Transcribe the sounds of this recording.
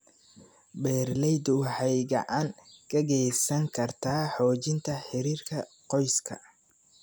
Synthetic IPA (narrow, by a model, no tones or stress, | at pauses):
bɛːrlɛjd̪ʊħɑjɡɐ̰ʕaːŋkʰɐɣɛjsɐŋkʰɐrt̪ʰaːħɔːt͡ʃɪnt̪ʰɐħɪɾiːrkʰɐ | qɔjskʰɐ̰